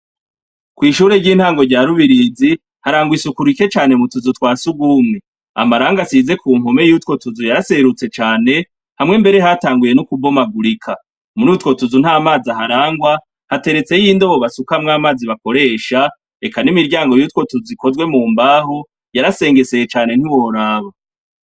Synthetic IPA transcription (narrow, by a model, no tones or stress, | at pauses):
kwiːʃuːɾe̞ɟiːn̥haːŋɡo̞ɾɟaːɾuβiɾiːzi | haɾaːŋɡwisukuɾike̞t͡ʃaːne̞mutuzutwaːsuɡuːmŋe | a̰maɾaːŋɡasize̞kʰuːmhome̞juːtwo̞tuzujaɾase̞ɾut͡se̞t͡ʃaːne̞ | hamŋe̞mbe̞ɾe̞ɦataːŋɡuje̞nukubomaɡuɾikʰa | muɾutwo̞tuzun̥haːmaːzaɦaɾaːŋɡwa | hate̞ɾe̞t͡se̞jiːndo̞βo̞βasukamŋaːmaːziβako̞ɾe̞ːʃa | e̞kanimiɾɟaːŋɡo̞juːtwo̞tuzikʰo̞zɡwe̞muːmbaːɦo | jaɾase̞ːŋɡe̞se̞jet͡ʃaːne̞n̥hiwo̞ɾaːβa